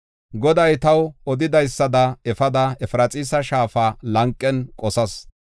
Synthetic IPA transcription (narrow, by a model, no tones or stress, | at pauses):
ɡɔd̪ɐjt̪ɐwɔd̪ɪd̪ɐjsːɐd̪ɐɛfɐd̪ɐɛfɾɐt͡sʼiːsɐʃaːfɐlɐŋkʼːɛnkʼɔsɐs